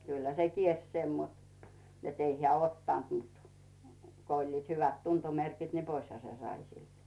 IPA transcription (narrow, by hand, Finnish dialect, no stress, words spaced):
kylhæ se kielsʲ sen mut net ei heæ otːɑnt mut ko olʲliːt hyʋæt tuntomerkit ne poishɑ se sɑi silt